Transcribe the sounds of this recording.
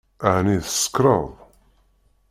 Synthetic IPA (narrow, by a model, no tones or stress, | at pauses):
əʕniðəsə̥kːɾˤəðˤ